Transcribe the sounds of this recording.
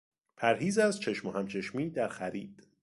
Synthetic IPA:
pʰæɾɦiːzæzt͡ʃʰe̞ʃmohæmt͡ʃʰe̞ʃmiːd̪æɾxæɾḭːd̪̥

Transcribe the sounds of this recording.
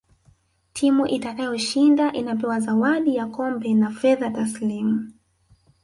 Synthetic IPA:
tʰimuʔitakajɔʃindaʔinapɛwazawaɗijakɔmbɛnafɛðataslimu

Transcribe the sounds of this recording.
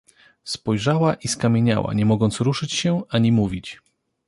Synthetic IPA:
spɔjʐawaʔiskamʲjeɲa̰wa̰ɲɛmɔɡɔnt̪sɾuʂɘt͡ɕɕɛaɲimuvʲit͡ɕ

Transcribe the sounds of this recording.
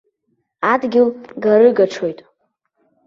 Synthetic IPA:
adɡʲɪlɡaɾɨɡaʈ͡ʂʰo̞jtʼ

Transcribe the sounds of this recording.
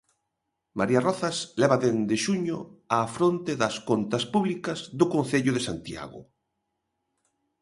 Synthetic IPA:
maɾiarɔθasleβaðend̪eʃuɲo̰afɾont̪eðaskont̪aspuβlikazðokõnθeʎʊðesant̪ja̰ɣʊ̰

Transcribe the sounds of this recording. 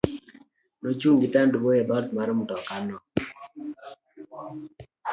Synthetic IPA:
not͡ʃuŋɡitandubojɛdɔtmaɾɔmutɔkanɔ

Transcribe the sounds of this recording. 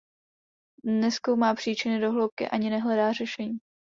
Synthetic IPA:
nɛsko̞wmaːpr̥iːt͡ʃɪnɪdo̞ɦlo̞wp̚kɪ̰ʔaɲɪnɛɦlɛdaːr̝ɛʃɛɲiː

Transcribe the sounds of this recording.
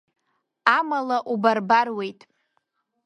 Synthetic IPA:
amalaʔubarbarwe̞jtʼ

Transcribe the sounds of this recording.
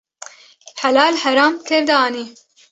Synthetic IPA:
ħælaːlhæɾɑːmkʰɛɾd̪aɑːniː

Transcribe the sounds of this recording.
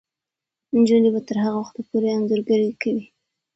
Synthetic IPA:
nd͡ʒunibat̪əɾɦaɣawaxt̪apoɾeanzəɾɡaɾikawi

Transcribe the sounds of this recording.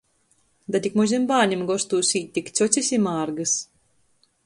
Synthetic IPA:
d̪at̪ʲikmuzʲimbaːɲʲimɡɔst̪uːsiːtt̪ʲːikt̪sɔsʲisʲimaːɾɡɨs

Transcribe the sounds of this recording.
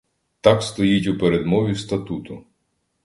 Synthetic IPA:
t̪ɑkst̪ɔjitʲʊpeɾed̪mɔʋʲist̪ɐt̪ut̪ʊ

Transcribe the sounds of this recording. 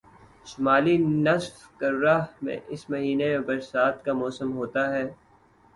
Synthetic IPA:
ʃʊmaːlinɐsfkɐɾːaɦmḛ̃ʔɪsmɐɦiːneẽbɐɾsaːt̪kamɔːsəmɦoːt̪aɦɛː

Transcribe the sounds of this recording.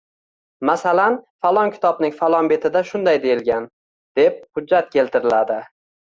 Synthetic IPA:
masalanfalˠɒŋkʲʰɪ̥t̪ʰɒbnɪŋfalˠɒnbe̞t̪ʰɪd̪aʃʊnd̪ajd̪e̞jɪlɡʲan | d̪̥e̞p̚hʊd͡ʒːat̪̚kʲʰe̞lt̪ʰɪɾɪlad̪ɪ

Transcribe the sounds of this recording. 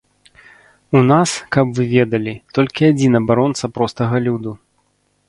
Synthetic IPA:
unaskɐpvɨvʲɛd̪ɐlʲit̪ɔlʲkʲiad͡zʲinɐbaɾɔnt̪sɐpɾɔst̪ɐɣɐlʲud̪u

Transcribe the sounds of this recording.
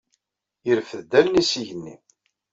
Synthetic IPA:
əɾfəðd̪ælnisiʝənːḭ

